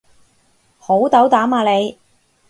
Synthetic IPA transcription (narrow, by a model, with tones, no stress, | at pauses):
ho˨˥wt̪ɐ˨˥wt̪aː˨˥maː˧le˨˧j